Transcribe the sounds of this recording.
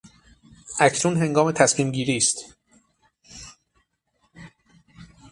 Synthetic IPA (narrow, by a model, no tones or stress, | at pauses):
ʔæcʰnuːnɦe̞ŋɡɒːme̞t̪ʰæsmiːmɟiːɾiːst̪